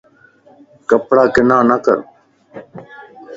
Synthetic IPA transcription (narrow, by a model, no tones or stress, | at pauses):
kəpɽaːkɪnaːnəkə̰ɾ